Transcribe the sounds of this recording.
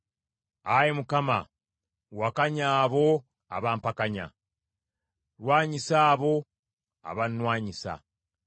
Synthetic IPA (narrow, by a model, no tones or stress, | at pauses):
ajemukama̰ | wakaɲaːβo̞ | aβaːmpakaɲa̰ | ɾwaːɲisaːβo̞ | a̰βanːwaːɲisa̰